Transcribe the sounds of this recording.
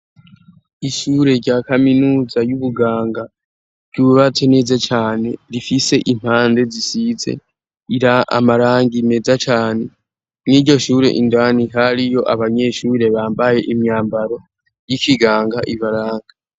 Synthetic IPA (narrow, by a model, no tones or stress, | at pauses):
iʃuːɾe̞ɾɟaːkaminuːzajuβuɡaːŋɡa | ɾɟuβatʰene̞ːzat͡ʃaːne̞ɾifise̞ʔim̥haːnde̞zisize̞̰ | iɾaa̰maɾaːŋɡime̞zat͡ʃaːne | niɾɟo̞ʃuːɾe̞̰ʔindwaniɦaɾijo̞ʔaβaɲe̞ʃuːɾe̞βaːmbaje̞ʔimɲaːmbaɾo̞ | jikiɡaːŋɡaʔiβaɾaːŋɡa